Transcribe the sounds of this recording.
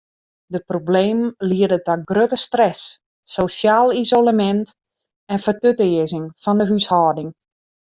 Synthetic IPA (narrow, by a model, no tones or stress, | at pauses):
dəprobleːmliərdətaɡrøtəstrɛsː | osjaːlˠizolamɛnt | ɛnfərtøtɪəzɪŋfɔndəɦyshɔːdɪŋ